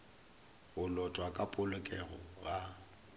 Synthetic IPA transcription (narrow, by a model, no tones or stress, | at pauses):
ɣʊlɔtʼwakʼapʼʊlʊkʼɛɣɔ̰ɣa